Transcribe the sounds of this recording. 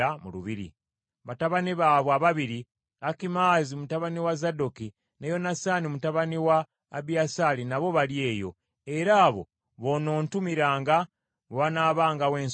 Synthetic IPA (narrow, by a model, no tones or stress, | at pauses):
amulṵβiɾḭ | βataβaniβaːβwaβaβiɾi | akimaːzimutaβaniwazadoki | nejo̞nasanimutaβaniwaː | biasalinaβo̞βalje̞ːjo̞̰ | e̞ɾaːβo̞̰ | βo̞no̞ːntumiɾaːŋɡa | βoβanaːβaːŋɡawe̞ːns